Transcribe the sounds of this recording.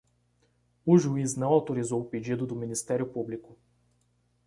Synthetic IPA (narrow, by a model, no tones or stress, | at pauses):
uʒuiznaɔt̪oɾizowpid͡ʒid̪ʊd̪ominist̪ɛɾʲopublikʊ